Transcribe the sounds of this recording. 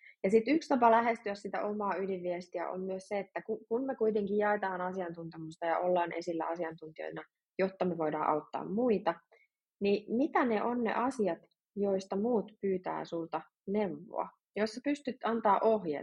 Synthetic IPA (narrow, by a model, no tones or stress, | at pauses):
jɑsit̪ykst̪ɑpɑlæɦest̪yæssit̪æ̰ʔomɑːyliʋʋiest̪iæ̰ʔo̰mmyøsseet̪ːækukunmekuit̪eŋkijjɑet̪ɑːnɑsiɑnt̪unt̪emust̪ɑjɑ̰olːɑːnʔe̞̰silːæ̰ɑsiɑnt̪unt̪io̰jnɑ | jot̪ːɑmeʋo̞idɑːʔɑut̪ːɑ̰ːmmuit̪ɑ | nimit̪æneʔo̞nnḛʔɑsiɑt̪ | joist̪ɑmuːt̪pyːt̪æ̰ːsult̪ɑ | neʋːo̰ɑ̰ | josːɑpyst̪yt̪ɑnt̪ɑːʔohjḛ